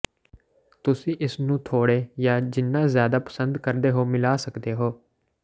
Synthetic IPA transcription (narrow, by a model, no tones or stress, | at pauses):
t̪ʊsĩːʔɪsnũːt̪ʰoːɽeːjaːd͡ʒɪnːãːzjaːd̪aːpə̥sənd̪kəɾd̪eːɦoːmɪlaːsəkd̪eːɦoː